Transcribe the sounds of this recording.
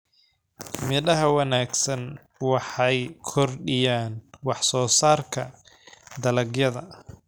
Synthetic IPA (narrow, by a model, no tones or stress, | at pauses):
mɪðɐɦɐwɑnaːɡsɐn | wɑħɑjkʰɔrɖɪjaːnwɑħsɔːsaːrkʰɐ | d̪ɐlɐɡjɐðɐ